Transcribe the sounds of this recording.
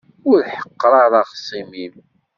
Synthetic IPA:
ʊɾħə̥qːɾˤɑɾˤɑʁsˤimim

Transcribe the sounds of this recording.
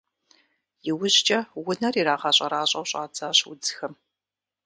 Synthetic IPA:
jɪwʊʑt͡ʃʼɐwʊnɐriɾaːʁɐɕʼɐɾaːɕʼɐwɕʼa̰ːd͡zaːɕwʊ̰d͡zxɐm

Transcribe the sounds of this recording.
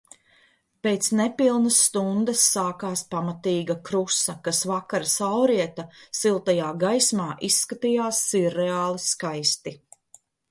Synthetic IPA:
peːt̪snɛpilˠnɐsːt̪und̪ɐsːaːkaːspamat̪iːɡɐkɾusɐkasvakaɾsawɾiɛt̪asilˠt̪ajaːɡajsmaːʔisːkat̪ijaːsːiɾeaːlˠiskajst̪i

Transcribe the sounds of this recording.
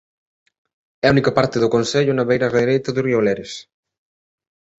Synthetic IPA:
ɛunikɐpaɾt̪eðʊkonseʎʊnaβejɾɐreðɾejt̪ɐðurioleɾes

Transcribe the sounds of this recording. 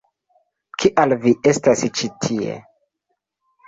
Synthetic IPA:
kʰiʔalvie̞stast͡ʃitʰiḛ

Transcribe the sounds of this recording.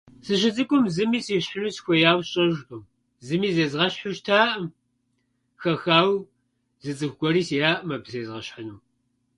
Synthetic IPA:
sɨɕɪt͡sʼɨkʷʼʊmzɨmiːsiːɕħənuːsxʷɔjaːwɕʼɐʒʊm | zɨmiːzezʁɐɕħʊʃtʰaːʔm | xɐxaːw | zɨt͡sʼɨxʷɡʷɔɾiːsjaːʔmɐbseːzʁɐɕħənuː

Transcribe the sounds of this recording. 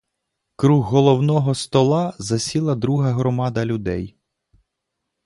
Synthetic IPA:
kɾuɦːɔlˠɔwnɔɦɔst̪ɔlˠɑzɐsʲilˠɐd̪ɾuɦɐɦɾɔmɑd̪ɐlʲʊd̪ɛj

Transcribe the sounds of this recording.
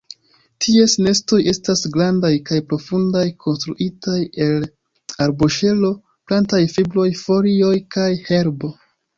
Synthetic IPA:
tʰie̞sne̞sto̞je̞stasɡɾandajkajpɾo̞fundajkʰo̞nstɾṵʔitaje̞l | aɾboʃe̞lo̞ | plantajfiblo̞jfo̞ɾio̞jkajhe̞ɾbo̞

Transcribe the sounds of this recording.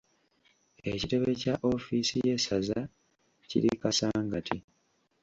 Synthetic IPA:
ecite̞βe̞caʔo̞fisije̞saza | cḭɾikasaːŋɡatʰi

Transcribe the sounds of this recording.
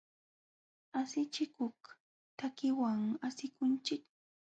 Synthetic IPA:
asɪt͡ʃɪkoχk | t̪akɪwaŋasɪkʊnt͡ʃɪk

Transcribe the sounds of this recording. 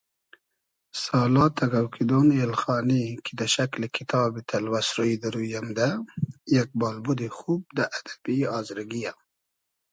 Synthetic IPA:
sɑːlɑːt̪ʰaɡawkʰid̪onelxɑːnikʰid̪aʃaklikʰɪt̪ʰɑːbit̪ʰalwasɾojd̪aɾujamd̪ajak̚bɑːlbud̪ixuːb̚d̪aʔad̪̥abiɑːzɾaɡija

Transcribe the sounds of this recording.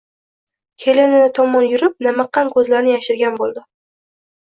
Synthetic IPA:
kʲʰe̞lenanat̪ʰɒmːɒnjʊɾɪp̚namɑqːɑnkʰɵzlaɾnɪjaʃɪɾɡʲanbolˠd̪ɪ

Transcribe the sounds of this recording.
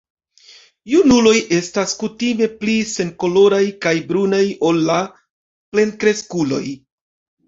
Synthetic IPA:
junulo̞jʔe̞staskutime̞plise̞nko̞lo̞ɾajkajbɾunajo̞lːa | ple̞nkɾe̞skulo̞j

